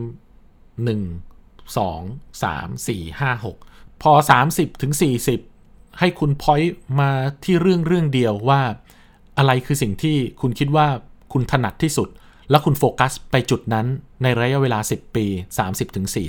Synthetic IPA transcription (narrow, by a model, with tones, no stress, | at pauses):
nɯ˨˩ŋ | sɔ̰ː˩˦ŋsa̰ː˩˦msiː˨˩haː˥˩ɦo˨˩k̚pʰɔː˧saː˩˦msi˨˩p̚t̪ʰɯ˩˦ŋsiː˨˩si˨˩p̚ | ha˥˩jkʰu˧npʰɔ˦˥jmaː˧t̪ʰiː˥˩ɾɯ˥˩əŋɾɯ˥˩əŋdi˧əwwaː˥˩ | ʔa˧ɾa˧jkʰɯː˧si˨˩ŋt̪ʰiː˥˩kʰu˧nkʰi˦˥t̪̚waː˥˩kʰu˧nt̪ʰa˧na˨˩t̪ʰːiː˥˩su˨˩t̪̚ | lɛ˦˥wkʰu˧nfoː˧ka˦˥spa˧jt͡ɕu˨˩t̪̚na˦˥nːa˧jɾa˧˦ja˦˥ʔweː˧laː˧si˨˩pːiː˧saː˩˦msi˨˩p̚t̪ʰɯ˩˦ŋsiː˨˩